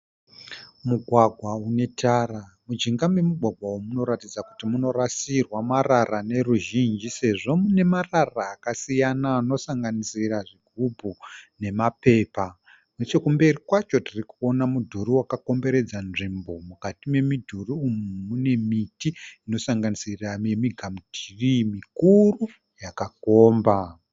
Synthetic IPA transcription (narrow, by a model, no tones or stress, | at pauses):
muɡʱwaɡʱwaune̞tʰaːɾamud͡ʒiŋɡamwe̞muɡʱwaɡʱwaomuno̞ɾatid͡zaku̥timuno̞ɾasirwamararane̞ruʒind͡ʒise̞ʐo̞mune̞mararaːkasijanano̞saŋɡanisiraʐiɡʱubʱune̞mape̞ːpa | nwet͡ʃe̞kumbe̞rikwat͡ʃo̞tirikuo̞namudʱuɾiwakako̞mbe̞ɾe̞d͡zanʐimbo̞mukatime̞midʱuriumumune̞mitiːno̞saŋɡanisiramemiɡʱamudʱirimikuru | jakakoːmba